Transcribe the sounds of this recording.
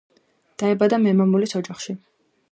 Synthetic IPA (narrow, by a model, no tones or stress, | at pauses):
d̪̥aɛbad̪amɛmamulisɔd͡ʒaχʃi